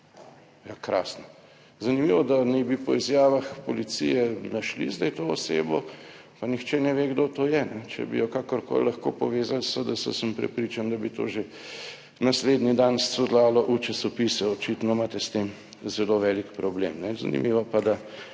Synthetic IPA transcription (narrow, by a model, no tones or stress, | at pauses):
jakɾa̰ːsnɔ | zɐnimiʋɔd̪anɛjbipɔizjaːʋaxpɔlit̪sḭjɛnaʃlḭzd̪ɛjt̪oɔsḛːbɔ | panixt͡ʃɛnɛʋeɡd̪ot̪oːjɛnɛt͡ʃɛ̰bḭjɔkakɔɾko̰ːllɐxko̰pɔʋeːzalsəd̪asə̰səmpɾɛ̰pɾit͡ʃand̪abit̪o̰ːʒe | nasleːd̪nid̪anssud̪laːlɔʔut͡ʃasɔpisɛɔt͡ʃit̪nɔmaːt̪ɛst̪em | zɛloʋɛlikpɾɔblḛmnɛza̰nḭmiʋɔpad̪a